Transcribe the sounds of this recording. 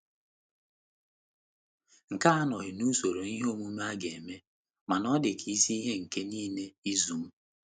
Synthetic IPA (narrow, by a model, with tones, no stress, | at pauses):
ŋ̩˨ka˦a˦nɔ˨ɣɪ˨nu˦so˨ɾo˨ni˦ɦo˦mu˦m˦a˦ɡe˨e˨me˦ | ma˨nɔ˦dɪ˨kʰi˨i˦si˦i˦ɦe˦ŋ̩˨ke˦niː˦ne˦i˦zu˨m̩˦